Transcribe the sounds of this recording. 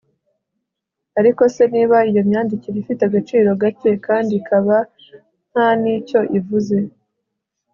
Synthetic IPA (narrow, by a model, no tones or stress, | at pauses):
aɾiko̞se̞niːβaijo̞mɲaːndiciɾifiteaɡat͡ʃiːɾo̞ɡace̞kaːndikʰaβa | n̥hanico̞ʔivuze̞